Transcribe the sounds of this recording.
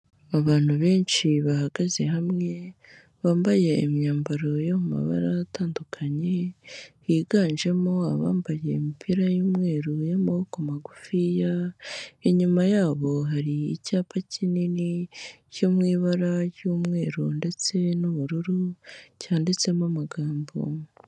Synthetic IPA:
aβaːn̥huβe̞ːnʃiβahaɡaze̞hamŋe̞ | βaːmbaje̞imɲaːmbaɾo̞jomuma̰βa̰ɾaːtaːndukʰaɲe̞hiːɡaːnʒe̞mo̞aβa̰ːmbaje̞mipʰiɾajuːmŋe̞ːɾujomuhokomaɡufija | iɲumajaːβo̞ɦaɾiḭcaːpacʰinini | comŋiːβaɾajuːmŋe̞ːɾunde̞t͡se̞nuβuɾuɾucaːndet͡se̞mamaɡaːmbo̰

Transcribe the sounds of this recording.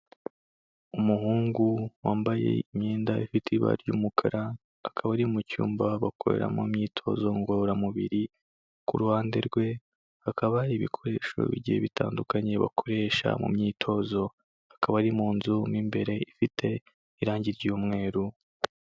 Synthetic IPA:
umuɦuːŋɡuwaːmbaje̞̰imɲeːndaifitiβa̰ɾɟuːmukʰaɾaː | kʰaβaɾimucṵːmbaβakʰo̞ɾḛɾa̰mumɲiːtʰo̞ːzo̞ŋɡooɾamuβḭɾi | kuɾuhaːnde̞̰ɾɡwe̞ | hakʰaβaiβikʰo̞ɾe̞ːʃo̞̰βiɟiheβitʰa̰ːndukaɲe̞βa̰kʰo̞ɾe̞ːʃa̰mṵmɲiːtʰo̞ːzo̞ | akaβaɾimuːnzumimbe̞ɾe̞ifitʰe̞ | iɾaːɲɟiɾɟuːmŋe̞ːɾu

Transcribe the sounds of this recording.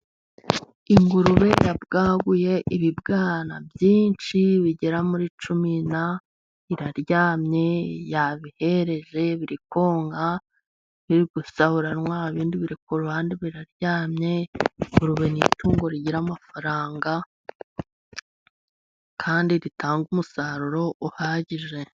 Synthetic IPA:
iŋɡuɾuβe̞jabɡaːɡuje̞ʔiβibɡaːna̰bjiːnt͡ʃiβiɟeɾamuɾit͡ʃumina | iɾaɾɟaːmɲe̞jaβihe̞ɾe̞ʒe̞βiɾiko̞ːŋɡa | βiɾiɡ̥usaβuɾanwaːβiːndiβiɾikoɾuaːndiβiɾaɾɟaːmɲe̞uɾuβenituːŋɡo̞ɾiɟiɾamafaɾaːŋɡa | kʰaːndiɾitʰaːŋɡumusaːɾuɾo̞ʔuhaːɟiʒe̞

